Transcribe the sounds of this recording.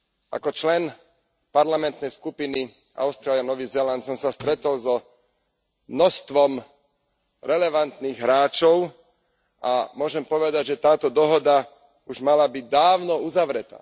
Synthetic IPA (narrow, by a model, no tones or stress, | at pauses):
ʔa̰kɔt͡ʃlɛn | paɾlamɛnt̪nɛjskupini | ʔa̰ʊst̪ɾaːlianɔʋizɛlant̪sɔmsast̪ɾɛt̪ɔlzɔ | mnɔst̪ʋɔm | ɾɛlɛʋant̪niɣɦɾaːt͡ʃɔʊ | ʔamʊɔʒɛmpɔʋɛd̪aɟʒɛt̪aːt̪ɔd̪ɔɦɔd̪a | uʒmalabiɟ̚d̪aːʊnɔuzaʋɾɛt̪a̰ː